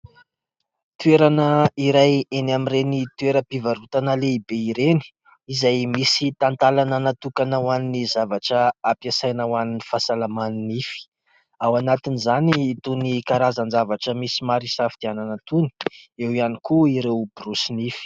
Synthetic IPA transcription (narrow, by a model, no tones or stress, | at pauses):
t̪ueɾanəiɾajenamirenit̪ueɾəpivaɾut̪anəleibeiɾeni̥ | izajmisit̪ant̪alananat̪ukanəwaninizavaʈ͡ʂəapjasajnawaninifasalamaninifi̥ | awanat̪inizaniːt̪unikaɾazand͡ʒavaʈ͡ʂəmisimaɾisafid̪̥iananat̪uni̥ewianikuiɾewb̥rusinifi̥